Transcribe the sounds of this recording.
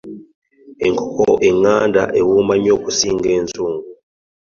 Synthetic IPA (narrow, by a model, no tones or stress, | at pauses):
iŋkʰɔkʰɔʔiŋandʱa̰ʔewumaɲokʼusiŋɡent͡sʼuːŋɡu